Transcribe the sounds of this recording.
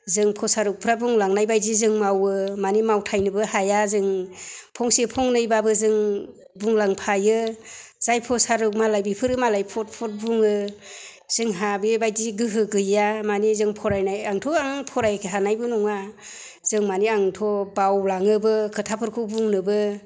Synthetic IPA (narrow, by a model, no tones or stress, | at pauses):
zɯŋpʰɔsaɾuk̚pʰɾabuŋlaŋnajbajzizɯŋmawɯmanimawtʰajnɯbɯhajazɯŋpʰɔŋsepʰɔŋnɯjbabɯzɯŋ | buŋlaŋpʰajɯz̥ajpʰɔsaɾuk̚malajbipʰɯɾɯmalajpʰɔt̚pʰɔt̚buŋɯ | z̥ɯŋɦabibajziɡɯɦɯɡɯjamanizɯŋpʰɔɾajnajaŋtʰɔaŋpʰɔɾajkʰeɦanajbɯnuŋa | z̥ɯŋmaniaŋtʰɔbawlaŋɯbɯkʰɯtʰapʰɯɾkʰɯbuŋnɯbɯ